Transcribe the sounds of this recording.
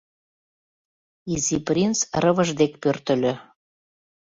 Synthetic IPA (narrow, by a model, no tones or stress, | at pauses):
iziprʲint͡srəβəʒd̪ekpørt̪ə̆lø